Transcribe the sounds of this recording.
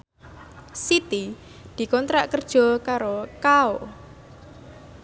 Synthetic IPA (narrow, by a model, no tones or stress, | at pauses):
sit̪i | d̪̥i̤kɔnt̪ɾaʔkərd̥ʒ̥ɔ̤kaɾokao